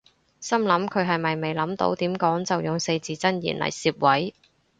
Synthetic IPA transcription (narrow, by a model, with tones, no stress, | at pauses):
sɐ˥mlɐ˨˥mkʰɵ˨˧ɥɦɐ˨jmɐ˨jme˨jlɐ˨˥mt̪o̰˧˥wt̪iː˨˥mkɔː˨˥ŋt͡sɐ˨wjʊ˨ŋse˧jt͡siː˨t͡sɐ˥njḭː˨˩nlʔɐ̰˨˩jsiː˧p̚wɐ˨˥j